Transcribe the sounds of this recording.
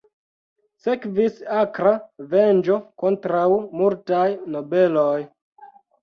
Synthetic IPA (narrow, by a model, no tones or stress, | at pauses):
se̞kvisakɾave̞nd͡ʒo̞ko̞ntɾawmultajno̞be̞loj